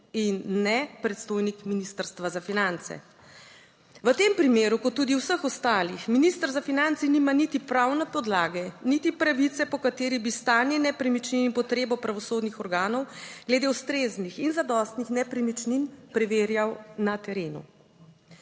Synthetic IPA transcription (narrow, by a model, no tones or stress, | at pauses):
inːɛpɾɛt̪st̪oːjnikminist̪əɾst̪ʋazafinant̪sɛ̰ | ʋət̪empɾimeːɾukɔt̪ːuːd̪iwsəxɔst̪aːlixminist̪əɾzafinant̪sinimanit̪ipɾawnɛpɔd̪laːɡɛnit̪ipɾaʋit̪sɛpɔkat̪eːɾibist̪aːninɛpɾɛmit͡ʃninipɔt̪ɾeːbɔpɾaʋɔsoːd̪nixɔɾɡaːnɔwɡ̥lɛd̪eust̪ɾeznixinzad̪ɔst̪nixnɛpɾɛmit͡ʃninpɾɛʋeːɾjawnat̪ɛɾeːnṵ